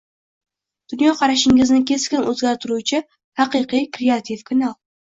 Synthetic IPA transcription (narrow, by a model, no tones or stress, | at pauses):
d̪̥ʊnjɒqʰɑɾaʃɪŋɪznɪkʲʰe̞skʲɪnʔɵzɡʲaɾt̪ʰɪɾut͡ʃʰɪ | hɑqɨqijkɾeat̪ʰivkʰanalˠ